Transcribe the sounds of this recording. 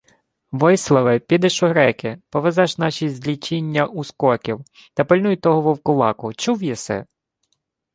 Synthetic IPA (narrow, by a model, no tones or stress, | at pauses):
ʋɔjslˠɐʋɪpʲid̪ɛʃʊɦɾɛkɪpɔʋezɑʃnɑʃʲizʲlʲit͡ʃinʲːɐʔuskɔkʲiw | t̪ɐpɪlʲnujt̪ɔɦɔʋɔwkʊlˠɑ̰kʊt͡ʃuwjɛsɛ̰